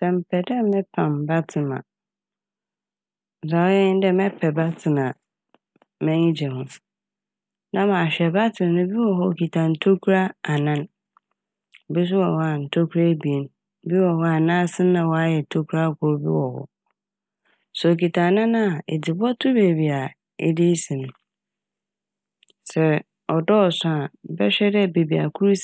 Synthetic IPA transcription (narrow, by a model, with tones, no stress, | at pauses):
sɛ̃˨m̩˨pʰɛ˨dɛ˦mɛ̃˦pʰã˨mba˦tʰɪ˨mã̰˨ | za˨wɛ̃˦n˦dɛ˦mɛ̃˦pʰɛ˨ba˦tʰɪ˨nã˨ | mɛ̃˦ɲĩ˦d͡ʑɛ˨hʊ̃˦ | nã˦mã˨ɕᶣɛ˨ba˦tʰɪ̃˨m˦nʊ̃˦bi˦wɔ˨ɦɔ˦˨ki˨tʰã˨n̩˨tʰo˦kʰu˦ɾa˦a˨nã˦n˨ | bi˦s̬ʊ˦wɔ˨hɔ˦a˨n̩˨tʰo˦kʰu˦ɾa˦bi˨e˨n | bi˦wɔ˨hɔ˦a˨nãː˦sɪ̃˦nã˨wɔ˨a˦jɛ˨tʰo˦kʰu˦ɾa˦˨kʰʊ˨ɾbḭ˦wɔ˨hɔ̰˦˨ | sɔ˨ki˨tʰã˨nã˦nã˦a˨ḛ˨dɪ˨bɔ˦tʰʊ˦be˨bi˨a˨ | ḛ˦di˦sĩ˨nʊ̃˨ | sɛ˨ | ɔ˨dɔ˦ɔ˨sʊ̃˦a˨bɛ˦ɕᶣɛ˦dɛ˦be˨bi˨a̰˨kʰu˦ɾs